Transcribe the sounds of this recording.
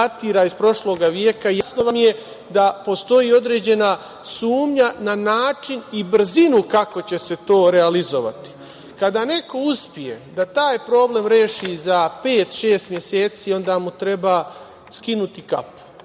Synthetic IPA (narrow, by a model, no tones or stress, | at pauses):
at̪iːɾaispɾo̞ʃlo̞ːɡaʋjeːkaijasnoʋamje̞ | d̪apo̞st̪o̞jiːo̞d̪ɾe̞ːd͡ʑe̞na | suːmɲananaːt͡ʃinibr̩zinukako̞t͡ɕe̞se̞t̪o̞ːɾe̞alizo̞ʋa̰t̪i̥ | kad̪ane̞ko̞uspije̞̰d̪at̪aːjpɾo̞ːble̞ːmɾe̞ːʃiːzapeːt̪ʃe̞ːst̪mje̞se̞ːt̪siːo̞nd̪aːmut̪ɾe̞baː | skinut̪ika̰pu̥